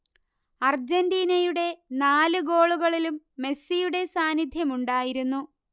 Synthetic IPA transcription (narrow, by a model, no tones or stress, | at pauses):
ɐrd͡ʑendiːnɐjuɽe̞naːlɨɡo̞ːɭuɣɐɭilumːe̞sːijuɽe̞saːnːid̪ʱjɐmuɳɖaːjiɾunːu